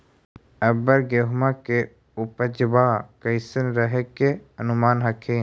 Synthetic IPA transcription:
əbəɾɡeɦmãke | ʊpəd͡ʒəbaːkəjsənɾəɦekeənʊmaːnɦəkʰeː

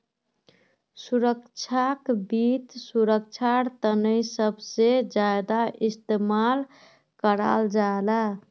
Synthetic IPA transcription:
suɾəkt͡ʃʰakbit̪suɾək̚t͡ʃʰaɾt̪ənəjsəbsed͡ʒaed̪aʔist̪emal | kəɾa̰ld͡ʒaela

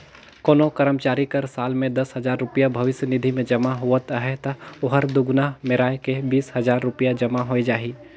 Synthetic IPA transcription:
koːnokəɾəmt͡ʃaːɾikɐɾsaːlmẽd̪ɐsɦɐzaːɾːʊpjabʱɐʋɪsjənɪd̪ʱimẽd͡ʒɐmaɦuət̪ɦɛt̪ɐʊɦəɾd̪ʊɡnaɦmeɾaːjkebiːshɐzaːɾːʊpijad͡ʒɐmaɦoed͡ʒaːɦiː

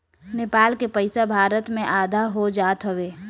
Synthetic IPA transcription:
neːpaːlkepəɪsabʱaːɾət̪mẽʔaːd̪ʱaɦod͡ʒaːt̪ɦɐʋeː

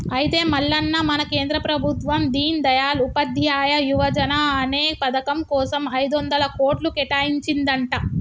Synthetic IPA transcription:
ɐjit̪e̞ːmɐɭːɐnːɐmɐnɐke̞ːnd̪ɾɐpɾɐbʱut̪ʋɐmd̪iːnid̪ɐjaːlupɐd̪ʱjaːjɐjuʋɐd͡ʒɐnɐːne̞ːpɐd̪ɐkɐmkɔːsɐmɐjd̪ond̪ɐlɐkoːʈlukɛʈaːjiɲt͡ʃind̪ɐɳʈa

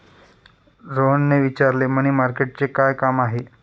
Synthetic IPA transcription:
ɾoɦənːeʋit͡ɕaɾleməɽ̃imaɾkeʈ̚t͡sekajkamaɦe

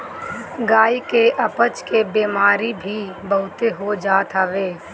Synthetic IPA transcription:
ɡaːikeʔɐpət͡ʃkebeːmaːɾibʱibəɦʊt̪eɦod͡ʒaːt̪ɦəʋeː

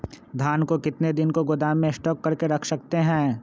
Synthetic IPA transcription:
d̪ʱaːnkokɪt̪ned̪ɪnkoɡʊd̪aːmːẽsʈɔːkːɐɾkeɾɐkʰsɐkt̪eɦɛ̃ː

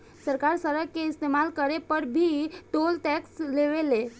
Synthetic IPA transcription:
səɾkaɾsəɾəkeist̪emalkəɾepəɾbʱiːt̪olʈɛksleʋele

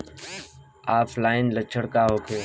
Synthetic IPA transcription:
aːpʰlaːɪnlət͡ʃʰəɽkaːɦoːkʰeː

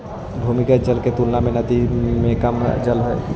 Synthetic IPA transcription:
bʱuːmɪkad͡ʒɐlket̪ulnamẽnɐd̪imẽkɐmd͡ʒɐlɦoe

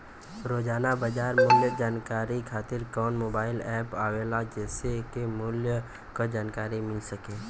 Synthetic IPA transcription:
ɾoːd͡ʒaːnabəd͡ʒaːɾmʊljəd͡ʒaːnkaːɾikʰaːt̪ɪɾkɔːnmoːbaːɪlɛːpaːʋeːlad͡ʒɛːsekemʊljə | kod͡ʒaːnkaːɾimɪlsəkẽː

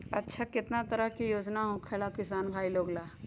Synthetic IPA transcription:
ɐtːʃʰakɪt̪nat̪ɐɾəɦkijoːd͡ʒnaɦõkʰeːlakɪsaːnbʱaːiloːɡlaː

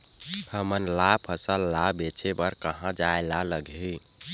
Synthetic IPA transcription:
həmənlapʰəsəlːabet͡ʃʰebəɾkəɦãd͡ʒaelaləɡi

